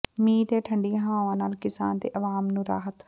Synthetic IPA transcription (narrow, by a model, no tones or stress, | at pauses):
mĩːt̪eːʈʰəɳɖijãːɦãːʋãːnaːlkɪsaːnd̪ḛːʔəʋaːmnũːɾa̰ːɦət̪